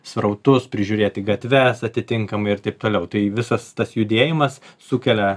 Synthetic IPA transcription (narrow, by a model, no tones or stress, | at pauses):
sʋɾɐʊt̪ʊspʲɾʲɪʒʲuːɾʲeːt̪ʲɪɡɐt̪ʲʋʲɛsɐt̪ʲɪt̪ʲɪŋkɐmɐɪɪrt̪ɐɪp̚t̪oːlʲɛʊt̪ɐɪʋʲɪsɐst̪ɐsjʊd̪ʲeːjɪmɐsːʊkʲɛlʲɛ